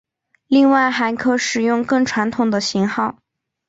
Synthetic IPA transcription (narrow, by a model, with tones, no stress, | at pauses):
li˥˧ŋwa˥˩ɪxa˧˥ɪkʰɤ˥ʂɻ̩˨˩jʊ˥˧ŋkɤ˥˩ŋʈ͡ʂʰwa˧˥nt̪ʰʊ˨˩ŋd̪ə˦ɕi˧˥ŋxɑ˥˩ʊ